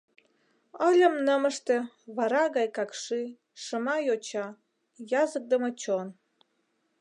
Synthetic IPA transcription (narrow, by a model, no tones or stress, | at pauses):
əlʲə̆mnəmə̆ʃt̪ĕ | βɑɾɑɣɑjkɑkʃi | ʃəmɑjot͡ɕɑ | jɑzək̚d̪əmə̆t͡ɕon